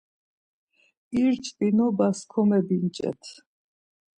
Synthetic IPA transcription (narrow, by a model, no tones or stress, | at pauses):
iɾt͡ʃʼt̪ʼinɔbaskʰɔmɛbint͡ʃʼɛ̰t̪ʰ